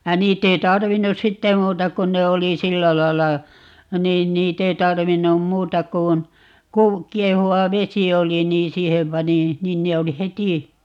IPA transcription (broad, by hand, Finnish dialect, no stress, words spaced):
jɑ niːtː ei tɑrʋinːus sitːe muːtɑ kun ne oli silːæ lɑi̯lːɑ niːn niːt ei tɑrʋinːum muːtɑ kun kuː kiehuwɑ ʋesi oli niːn siːhem pɑni nin ne oli heti